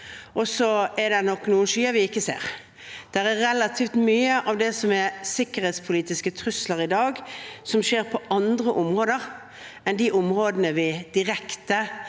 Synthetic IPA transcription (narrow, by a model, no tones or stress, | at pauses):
ʔɔsɔɛɾd̪ɛnɔkːnuːənʃyːəʋɪɪkːəsḛːʁ | d̪̥æɾæɾɛlɑt̪ʰiːft̪myːəʔɑʋd̪ɛsɔmɛsɪkːəɾhɛːt̪spʰʊliːt̪ɪskət̪ʰɾʉsləɾɪd̪ɑːɡsɔmʃeːʁpʰɔʔɑnd̪ɾəʔʊmʁoːd̪əɾ | ɛnd̪iʔʊmʁoːd̪ənəʋɪd̪̥ɪʁɛkt̪ə